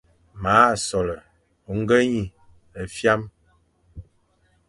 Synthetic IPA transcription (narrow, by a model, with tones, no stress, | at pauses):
ma˨˦˨sɔ˨lə˨ | o˨ŋ̩˦ɡə˦ɲi˨ | ə˨fja˦m